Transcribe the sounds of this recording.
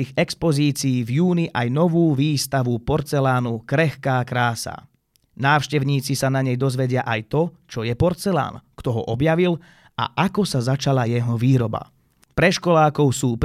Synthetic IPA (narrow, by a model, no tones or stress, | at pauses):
iɣɛkspɔziːt͡siiːvjuːniʔajnɔʋuːʋiːst̪aʋupɔɾt͡sɛlaːnukɾɛxkaːkɾaːsa̰ | naːʊʃcɛʊɲiːt͡sisanaɲɛjd̪ɔzʋɛɟɪaʔajt̪ɔt͡ʃɔjɛpɔɾt͡sɛla̰ːnkt̪ɔɦɔ̰ʔɔbjaʋil | a̰ʔakɔsazat͡ʃalajɛɦɔʋiːɾɔba̰ | pɾɛʃkɔlaːkɔʊsuːp